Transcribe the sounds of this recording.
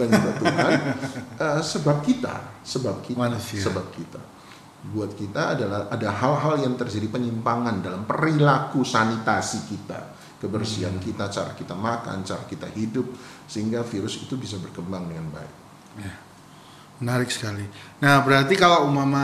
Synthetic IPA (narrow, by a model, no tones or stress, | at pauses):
kankit̪at̪uanʔəsəbap̚kit̪a̰səbap̚kitmaasisəbap̚kit̪a̰ | buat̪̚kit̪aːdalahadaɦalɦaljaŋt̪ərd͡ʒadipəɲimpaŋandalampəɾilakusanit̪asikit̪a̰ | kəbərsiankit̪at͡ʃaɾa̰kit̪amaka̰nt͡ʃaɾakit̪a̰hidʊp̚səɦiŋɡafiɾʊsit̪ubis̬abərkəmbaŋdəŋanba̰ɪk̚ | ja | mənaɾɪk̚sə̥kalinahbəɾart̪ikalaumama